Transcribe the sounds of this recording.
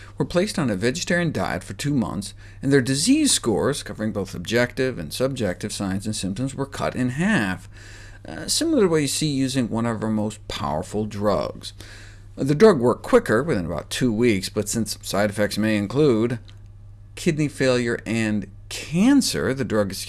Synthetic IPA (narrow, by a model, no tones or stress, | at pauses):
wə˞pʰl̥eɪstn̩ɨvɛd͡ʒɨtʰɛɹiɨ̃nda̰ɪɨ̰tfə˞tʰʉmʌ̰̃nθs | ɨ̃nðə˞dɨziz̥skɔɹz̥kʰʌvə˞ɪ̃ŋboʊθəb̚d͡ʒɛk̚tɪvɨ̰̃nsʌb̚d͡ʒɛk̚tɨv̥sãɪ̃nzɨ̃nsɪ̃mp̚tɨ̃mzwə˞kʰʌ̰ɾʔɨ̃nɦæf | sɪ̃ml̩ˠə˞wəjɨsijʉzɪ̃ŋwʌ̃ñʌvə˞moʊspʰaʊə̰˞fl̩ˠdɹʌ̰ɡz̥ | ðɨdɹʌɡwɜ˞kʰw̥ɪkə˞wɨθɪ̃nəba̰ʊtʰʉwiksb̥ʌtsɪ̃nsːaɪɾɨfɛk̚tsmeɪɨ̃nkʰl̥ud̚ | kʰɪdⁿnifeɪlˠjə˞ʔɨ̃n | kʰæ̃nsə̰˞ðɨdɹʌɡ̥